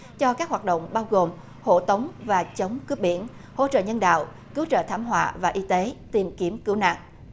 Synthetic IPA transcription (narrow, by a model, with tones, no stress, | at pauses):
t͡ɕɔ˧kaː˦˥k̚ɦwaː˨˩t̚ɗo̰˧˨ŋ͡mɓaː˧wɣo˨˩m | ho̰˧˩˨t̪ə˨˦wŋ͡mvaː˨˩t͡ɕə˨˦wŋ͡mkɨ˦˥p̚ɓi˧˩ən | ho̰˧˥t͡ɕə̰ː˧˨ɲə˧nɗa̰ː˧˨w | kɨ˨˦wt͡ɕə̰ː˧˨t̪ʰaː˨˦mɦwa̰ː˧˨vaː˨˩ʔi˧t̪e˨˦t̪i˨˩mki˨˦əmkɨ˨˦wna̰ː˧˨ŋ